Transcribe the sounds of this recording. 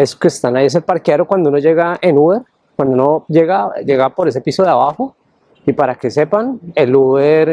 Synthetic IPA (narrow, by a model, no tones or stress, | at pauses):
eso̥kest̪anajes̬elpaɾkjeɾokwand̪ounod͡ʒe̞ɣaenuβe̞ɾ | kwand̪ounod͡ʒe̞ɣad͡ʒe̞ɣapo̞ɾe̞s̬episoðeaβaxo̞ | ipaɾake̞se̞paneluβeɾ